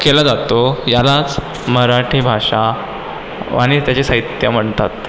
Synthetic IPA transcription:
kelad͡zat̪ojalat͡s | məɾaʈʰiːbʱaʂa | a̰ɽ̃it̪jat͡ɕesaɦit̪jəm̤əɳt̪at̪

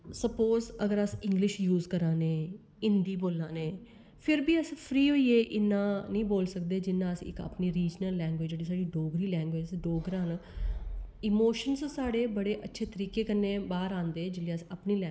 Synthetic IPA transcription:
səpoːzəɡəɾəsɪ̃ŋɡlɪʃjuːzkəɾãːneː | ɪnd̪iːboːlãːneː | pʰɪɾbiːəspʰɾiːɦoːiːeːʔɪnːãːnəĩːboːlsəkd̪eːd͡ʒɪnːãːəsḭ̃ːɪkə̰pniːɾiːd͡ʒnəlːɛ̃ːŋɡʋeːd͡ʒeːɖiːsaːɖiːɖoːɡɾiːlɛ̃ːŋɡʋeːd͡ʒsɖoːɡəɾaːn | ɪmoːʃənssaːɽeːbəɽeːʔətːʃʰeːt̪əɾiːkeːkənːẽːbaːɾãːnd̪eːd͡ʒɪleːəsəpniːlɛ

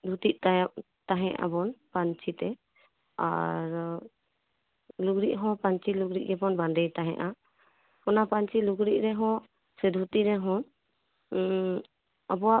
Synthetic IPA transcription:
d̪ʱut̪iʔ̚t̪a | t̪aɦɛ̃ʔa̰bɔnpaɲt͡ʃʰit̪ɛ | a̰ɾ | luɡɾiʔɦɔ̃paɲt͡ʃiluɡɾiʔ̚ɡɛbɔnband̪ɛjt̪aɦɛ̰̃ʔa | kɔnapaɲt͡ʃiluɡɾiʔ̚ɾɛɦɔ̃ | sɛd̪ʱut̪iɾɛɦɔ̃ | ɔbɔwa

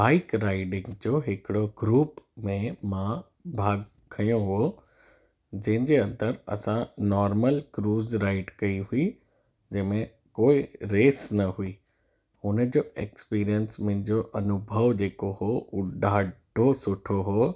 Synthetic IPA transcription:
baːɪkɾaːɪɖɪ̃ŋɡd͡ʑoːɦɪkɪɽoɡɾuːpmẽmã | bʱaːɡ | kʰːɐjõɦoː | d͡ʑɐ̃ɦɪ̃ɲd͡ʑeɐ̃nd̪əɾɐ̰sãnɔːɾməlkɾuːzɾaːɪɖkɐiɦui | d͡ʑɐ̃ɦmẽ | koːɪɾeːsnɐɦui | ʊnəd͡ʑoːeːkspiːɾijənsmɐ̃ɪ̃ɲd͡ʑoʔɐnʊbʱəʋd͡ʑeːkoɦoːʊɗaːɖʱosʊʈʰoɦoː

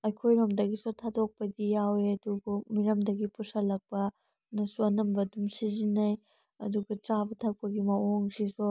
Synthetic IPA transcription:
ɐjkʰojɾɐmdɐɡisotʰadok̚pɐdijaweɐdubumiɾɐmdɐɡipusɐlɐk̚pɐ | nɐsuɐnɐmbɐdumsizinːɐj | ɐ̰duɡɐtɾabɐtʰɐk̚pɐɡimɐʔoŋsiso

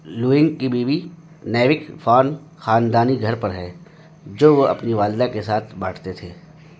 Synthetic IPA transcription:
luːɪ̃ŋɡkibiːbi | nɛːʋɪkfʰaːn | xaːnd̪aːniɡʱɐɾpɐɾɦɛː | d͡ʒoːʋoɐ̰pniʋaːld̪akesaːt̪ʰbaːʈʰt̪et̪ʰeː

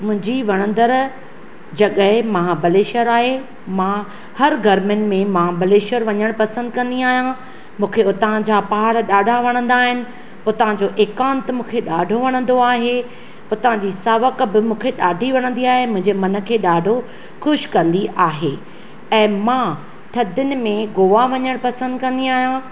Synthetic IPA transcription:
mʊ̃ɦɪ̃ɲd͡ʑiʋɐɽ̃ə̃nd̪əɾ | d͡ʑɐɠəɦɪmaːabɐleːʃəɾaːɦe | mãː | hɐɾɡʱɐɾmɪnɪ̆mẽmãːbɐleːʃəɾʋɐɲəɽ̃pɐsə̃nd̪kɐ̃nd̪iaːɦijã | mũːkʰeʊt̪ãd͡ʑaːpaɦaɽɗaːɖʱaʋɐɽ̃ə̃nd̪aːɦɪnɪ̆ | ʊt̪ɐãd͡ʑoʔeːkaːnt̪mũːkʰeɗaːɖʱoʋɐɽ̃ə̃nd̪oaːɦe | ʊt̪ãd͡ʑiːsaːʋəkbɪmũːkʰeɗaːɖʱiʋɐɽ̃ə̃nd̪iaːɦemʊ̃ɦɪ̃ɲd͡ʑemɐnə̆kʰeːɗaːɖʱo | xʊʃkɐ̃nd̪iʔaːɦe | ɛ̃ːmãː | t̪ʰɐd̪ɪʊnɪ̆mẽɡoːʋaʋɐɲəɽ̃pɐsə̃nd̪kɐ̃nd̪iaːɦijã

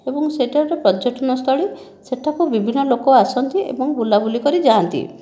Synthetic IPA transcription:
ebɔŋseʈʰaɾɾepɾɔd͡ʒɔʈʰɔnɔst̪ʰɔɭi | seʈʰakubibʱinːɔlokɔasɔnt̪iʔḛbɔŋbulabulikɔɾid͡ʒaant̪ḭ

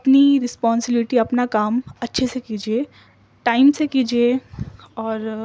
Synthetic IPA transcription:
ɐpniɾɪspɔːnsɪbɪlɪʈiɐpnakaːmɐtːʃʰesekiːd͡ʒie | ʈaːɪmsekiːd͡ʒie | ɔːɾ

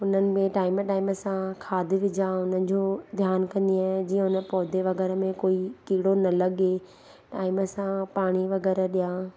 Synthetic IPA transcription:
ʊnənɪ̆mẽʈaːɪmʈaːɪməsãkʰaːd̪ʱɪʋɪd͡ʑãʊnənɪ̆d͡ʑũːd̪ʱjaːnkɐ̃nd̪iaːɦd͡ʑiːə̃ɦʊnəpɔːd̪ʱeʋɐɣɛːɾəmẽkoːikiːɽonɐlɐɠe | ʈaːɪməsãpaːɽ̃iʋɐɣɛːɾəɗijãː

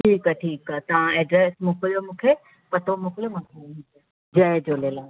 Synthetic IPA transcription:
ʈʰiːkʈʰiːkt̪ɐʋ̤ãeːɖɾɛːsmũːkʰlijomũːkʰe | pɐɾt̪omũkʰljomɐ̃tʰemũːkʰe | d͡ʑɐed͡ʑoːleːlaː

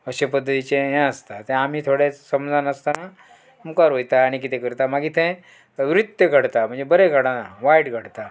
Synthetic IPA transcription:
əɕepəd̪ʱːət̪it͡ɕejɛ̃əst̪at̪ẽamiːt̪ʰoɽesəmd͡zʱanəst̪ana | mukaɾɦojt̪aːɽ̃ikit̪ʰẽkəɾt̪amaɡit̪ʰẽ | ʋɾut̪ːjəɡʱəɽt̪am̤əɳd͡zebəɾeɡʱəɽanaʋajʈɡʱəɽt̪a

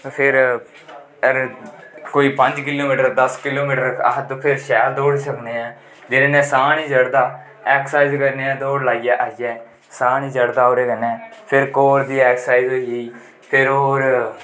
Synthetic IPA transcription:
pʰɪɾ | əɾkoːiːpə̃ɲd͡ʒkɪloːmiːʈəɾd̪əskɪloːmiːʈəɾəɦd̪pʰɪɾʃɛːld̪oːɽsəkneːɛ̃ː | d͡ʒɪɾẽːnɛ̃ːsãːnĩːd͡ʒəɽd̪aː | ɛːkʰsaːizkəɾneːɛ̃ːd̪oːɽlaːijɛːʔaːɪjɛː | sãːnĩːd͡ʒəɽd̪aːoːɾeːkənɛːpʰɪɾkoːɾd̪iːɛːksaːizɦoːijiː | pʰɪɾoːɾ

